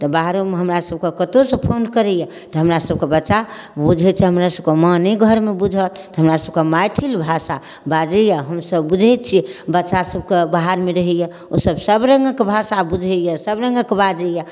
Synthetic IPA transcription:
t̪ɔbaɦɾomeɦəmɾasəb̚kekət̪osə̃pʰonkəɾɛjɛ | t̪ɔɦəmɾasəb̚kebətːʃa | bud͡ʒʱɛt̪t͡ʃʰiɦəmɾasəb̚kemə̃neɡʱəɾmebud͡ʒʱət̪t̪ɔɦəmɾasəb̚kemajt̪ʰilbʱasa | bad͡ʒəjaɦəmsəbbud͡ʒʱɛt̪̚t͡ʃʰibətːʃasəb̚kebaɦaɾmeɾəɦɛjɛ | o̰səbsəbɾə̃ŋɡəkbʱasabud͡ʒʱɛjɛsəbɾə̃ŋɡəkbad͡ʒəjɛ

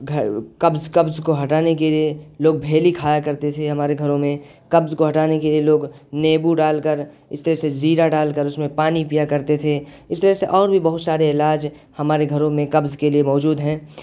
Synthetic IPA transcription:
ɡʱkɐbzkɐbzkoɦɐʈaːnekelieloːɡ̚bʱeːlikʰaːjakɐɾt̪et̪ʰeɦɐmaːɾeɡʱɐɾõmẽ | kɐbzkoɦɐʈaːnekelieloːɡ | neːbuɖaːlkəɾ | ɪst̪əɾɛsed͡ʒiːɾaɖaːlkəɾʊsmẽpaːnipijakɐɾt̪et̪ʰeɪst̪əɾɛseʔɔːɾbʱibɐɦʊt̪saːɾeɪlaːd͡ʒ | hɐmaːɾeɡʱɐɾõmẽkɐbzkeliemɔːd͡ʒuːd̪ɦɛ̃ː

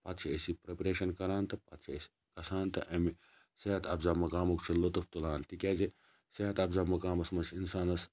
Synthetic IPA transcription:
pɐt̪t͡ʃʰiesipɾepɐɾeːʃɐnkɐɾaːnt̪ɐpɐ̰t̪t͡ʃʰiesi̥ | kɐsaːnt̪ɐʔɐmi | seɦɐt̪ɐbzaːmɐkaːmukt͡ʃʰilot̪upt̪ulaːnt̪ikʲeːze | seɦɐt̪ɐbzaːmɐkaːmɐsmɐt͡ʃʰinsaːnɐs

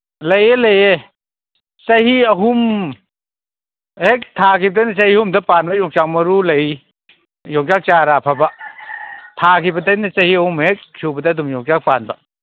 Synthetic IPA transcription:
lɐjelɐje | sɐhiɐɦum | hek̚tʰakibɐdɐnɐsɐhihumdɐpanbɐjɔŋt͡ʃak̚mɐɾulɐj | jɔŋt͡ʃak̚t͡ʃaɾapʰaba | tʰakʰibɐtɐjnɐt͡ʃɐhiɐhumhek̚sʰubɐdɐːdumjɔŋt͡ʃak̚panbɐ

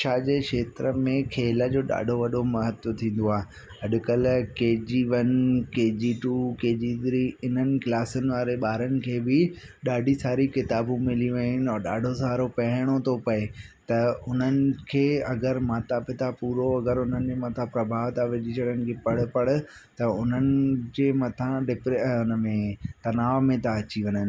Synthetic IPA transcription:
t͡ʃʰaːd͡ʑeːkʃeːt̪ɾəmẽkʰeːləd͡ʑoːɗa̰ːɖʱoʋɐɗʱomɐɦət̪ʋət̪ʰĩːn̆d̪oaːɦe | ɦɐɗʊ̆kəlkeːd͡ʑiʋɐnkeːd͡ʑiːʈuːkeːd͡ʑiːd̪ɾiɪn̤ənɪ̆klaːsənɪ̆ʋaːɾeɓaːɾənɪ̆kʰeːbɪ | ɗaːɖʱisaːɾikɪt̪aːbũmɪliʋeʊnɪ̆ɔːɾɗa̰ːɖʱosaːɾopɐɦɪɽ̃ot̪ʰopɐe | t̪ɐʊn̤ənɪ̆kʰeːɐɡəɾmaːt̪apɪt̪apuːɾoɐɡəɾʊn̤ənɪ̆d͡ʑeːmɐt̪ʰãpɾɐbʱaːʋt̪aʋɪd͡ʑit͡ɕʰɐɽənɪ̆kʰeːpɐɽʊ̆pɐɽʊ̆ | t̪ɐʊn̤ənɪ̆d͡ʑeːmɐt̪ʰãɖɪpɾeʊnəmẽt̪ɐnaːʋmẽt̪aɐt͡ɕiʋɐɲənɪ̆

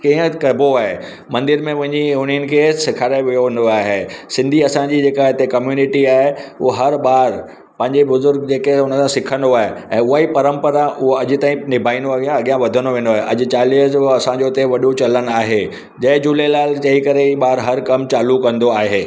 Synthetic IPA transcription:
kĩːɦə̃kɐbʱoaːɦe | mɐ̃nd̪ɪɾmẽmʊ̃ɦɪ̃ɲd͡ʑiʊɽ̤̃iənɪ̆kʰesɪkʰaːɾaɪʋijoʋẽːn̆d̪oaːɦesɪ̃nd̪ʱiɐsãd͡ʑiːd͡ʑeːkaɦɪt̪ekɐmjuːnɪʈiaːɦeʊɦoɦɐɾɓaːɾ | pɐ̃ɦɪ̃ɲd͡ʑebʊzʊɾɡd͡ʑeːkeʊnəsʰãsɪkʰə̃nd̪oaːɦeɛ̃ːʊɦaipɐɾə̃mpəɾaʔʊɦoɐʄɪ̆t̪aːĩnɪbʱaːĩnd̪oɐɡijãɐɠijãʋɐd̪ʱənd̪oʋẽːnd̪oaːɦeʔɐʄʊ̆t͡ɕaːliːd͡ʑoɐsãd͡ʑot̪eʋɐɗot͡ɕɐlən̆aːɦe | d͡ʑɐ̃ɦɪd͡ʑulelaːlt͡ɕɐikɐɾeiːɓaːɾɦɐɾkɐmt͡ɕaːlukɐ̃nd̪oaːɦeː

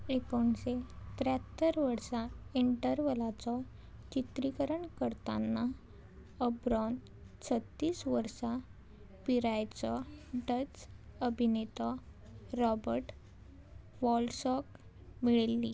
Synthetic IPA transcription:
ekoɳset̪ɾat̪ːəɾʋəɾsaiɳʈəɾʋəlat͡sɔ | t͡ɕit̪ɾikəɾəɳkəɾt̪a̰nːa | əbɾɔn | t͡sʰət̪ːiːsʋəɾsa | piɾajt͡sɔɖət͡səbʱinet̪ɔɾɔbəɾʈ | ʋɔlsɔk | miɭelːi

